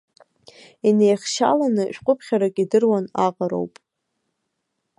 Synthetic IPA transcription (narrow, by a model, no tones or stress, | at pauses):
inejχʲʃa̰lanɨʃᶣqʷʼʊpʰχʲaɾakʼidɨrwanaqʼaɾo̰wpʼ